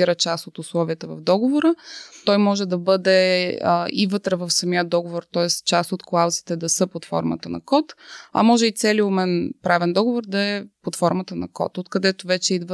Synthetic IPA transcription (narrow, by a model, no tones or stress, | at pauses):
iɾət͡ʃast̪ot̪ʊslˠɔviət̪əvɐ̰vd̪ɔɡovoɾət̪ɔjmɔʒɛd̪ɐbɤd̪ɛ | ḭvɤt̪ɾəvəfsɐmiəd̪ɔɡovoɾt̪ɔɛst̪t͡ʃast̪ot̪klˠawzi̥t̪ɛd̪ɐsɤpot̪fɔ̰ɾmə̰t̪ənɐ̰kɔt̪ɐ̰mɔʒɛit̪sɛliomɛnpɾavɛnd̪ɔɡovoɾd̪ɐɛpot̪fɔɾmət̪ənɐ̰kɔ̰t̪ot̪kɐd̪ɛt̪ʊvɛt͡ʃɛid̪və